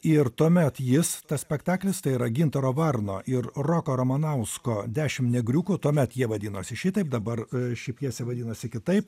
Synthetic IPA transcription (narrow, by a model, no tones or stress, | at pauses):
ɪɾt̪uɔmʲɛt̪jɪst̪ɐssʲpʲɛkt̪ɑːklʲɪst̪ɐɪiɾɐɡʲɪnt̪ɐɾoːʋɐrno̰ːʔɪɾroːkoːɾoːmɐnɐʊskoːd̪ʲæːʃʲɪmnʲɛɡɾʲuːkut̪uɔmʲɛt̪jiɛʋɐd̪ʲiːnoːsʲɪʃʲit̪ɐɪp̚d̪ɐbɐrʃʲɛɪpjiɛsʲɛʋɐd̪ʲiːnɐsʲɪkʲɪt̪ɐɪp